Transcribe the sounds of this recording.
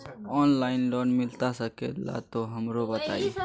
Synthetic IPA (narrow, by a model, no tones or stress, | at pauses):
ɔːnlaːɪnlɔːnmɪlt̪asɐkḛla̰t̪oɦɐmɾobɐt̪aːi